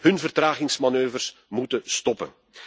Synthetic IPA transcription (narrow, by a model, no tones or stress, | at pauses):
hɵnvərtraːɣɪŋsmanøːvərsmutəstɔpə̰n